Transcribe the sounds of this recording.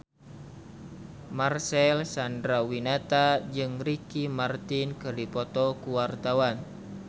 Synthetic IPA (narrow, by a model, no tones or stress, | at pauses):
marsɛlsandɾawinat̪ad͡ʒɨŋɾikimart̪inkɨrdipɔt̪ɔkuwart̪awan